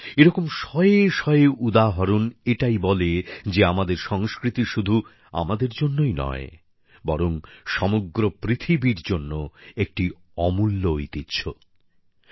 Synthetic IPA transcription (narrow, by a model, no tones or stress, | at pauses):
eɾɔkomʃɔeeʃɔeeʔud̪aɦɔɾuneʈajbɔled͡ʑeamad̪eɾʃɔŋskɾit̪iʃud̪ʱu | a̰mad̪eɾd͡ʑonːojnɔ̰e | bɔɾoŋʃɔmoɡɾopɾit̪ʰibiɾd͡ʑonːoek̚ʈi | ɔmulːoit̪itːɕʰo